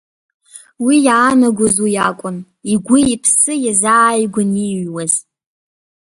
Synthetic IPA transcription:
wijaːnaɡʷʊzujakʷʼʊn | iɡʷiipʰsɨjazaːjɡʷʊniɥwaz

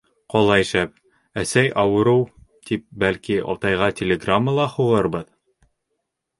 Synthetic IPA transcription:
qɒlˠɑiʃæp̚ | æsæjʔɑwɤ̆ɾɤwt̪ip̚bælkiɒ̰t̪ɑjʁɑtʲɪlʲɪɡramːəlˠɑhuʁɤɾbɤð

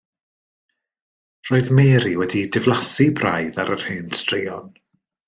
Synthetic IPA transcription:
r̥oːɨðmeːɾiwɛdidɪvlˠasibra̰jðaɾər̥hɪnstriːɔn

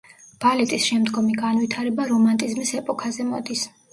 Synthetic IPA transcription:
b̥alɛt̪ʼisʃɛmd̪ɡɔmiɡanwit̪ʰaɾɛbaɾɔmant̪ʼizmisɛpʼɔkʰazɛmɔd̪is

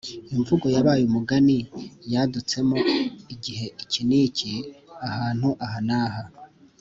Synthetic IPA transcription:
iɱvuɡo̞jaβaːjumuɡanijaːdut͡se̞mo̞iɟiɦe̞iciniːciahaːn̥huʔaɦanaːɦa

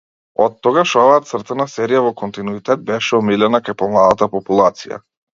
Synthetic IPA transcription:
ɔt̪ːɔɡaʃɔvaːt̪srt̪ɛnasɛɾijavɔkɔnt̪inuit̪ɛd̪̚bɛʃɛɔmilɛnakajpɔmlˠad̪at̪apɔpulˠat̪sija̰

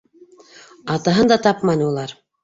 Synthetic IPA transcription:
ɑt̪ɑɦɤnd̪ɑt̪ɑpmɑnɤulˠɑɾ

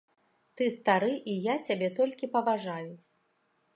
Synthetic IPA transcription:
t̪ɨst̪aɾɨʔijat͡sʲabʲɛt̪ɔlʲkʲipɐvaʐaju

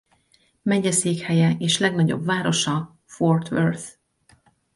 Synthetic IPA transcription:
mɛɟɛseːkhɛjɛeːʃlɛɡnɒɟo̞̰bvaːɾo̞ʃɒ | fort̪ʋø̰rt̪

